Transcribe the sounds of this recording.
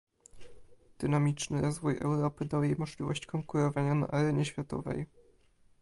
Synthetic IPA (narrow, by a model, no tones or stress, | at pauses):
d̪̥ɘnamʲit͡ʂnɘɾɔzvujɛ̰wɾɔpɘd̪awjejmɔʐlʲivɔɕt͡ɕkɔŋkuɾɔvaɲana̰ʔaɾɛɲɛɕfʲjat̪ɔ̰vɛ̰j